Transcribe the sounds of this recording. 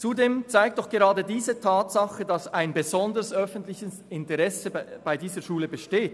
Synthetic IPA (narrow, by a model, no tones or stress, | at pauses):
t͡sudeːmt͡saɪk̚tdɔχɡ̥eʁɑːdədiːzətʰaːtsɑχədɑsaɪnbəzɔndəʁəsœfn̩tlɪçəs | ɪntəʁɛsəb̥aɪdiːzəʃuːləbəʃteːt